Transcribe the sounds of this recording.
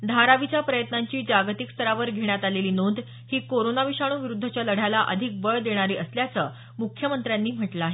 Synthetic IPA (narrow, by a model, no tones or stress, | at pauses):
d̪ʱaɾaʋit͡ɕjapɾəjət̪naɲt͡ɕiːd͡ʑaɡt̪ikst̪əɾaʋəɾɡʱeɳ̃jat̪aleliːnond̪ | hiːkoɾonaʋiɕaɽ̃uːʋiɾud̪ʱːət͡ɕjaləɽ̤alaʔəd̪ʱik̚bəɭd̪eɽ̃aɾiːʔəsljat͡səː | mukʰːjəmənt̪ɾjanːiːm̤əʈlaːɦe